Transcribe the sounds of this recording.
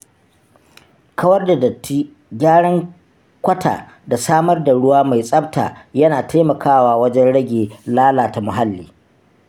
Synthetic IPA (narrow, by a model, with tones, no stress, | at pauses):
kʰɐ˦wɐ˦rda˨di˦ | ɡʲaː˦ɽɐ˦ŋ | kʷɐ˦tʰa̰ː˨ | da˨saː˦mɐ˦rda˨ɽʊ˦waː˦ma˨jsʼɐ˦btʰa̰ː˨jɐ˦naː˨tʰa˦jmɐ˨kʰaː˦waː˦wɐ˦d͡ʒɛ˦nɽɐ˦ɡʲeː˨laː˦laː˨ta˨mʊ˨ɦa˦lːiː˨